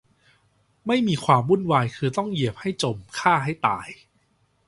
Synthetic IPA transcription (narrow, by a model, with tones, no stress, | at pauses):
ma˥˩jmiː˧kʰwaː˧mɾu˥˩nwaː˧jkʰɯː˧t̪ɔ˥˩ŋji˨˩əp̚ha˥˩jt͡ɕo˨˩mkʰaː˥˩ɦa˥˩jt̪a̰ː˧j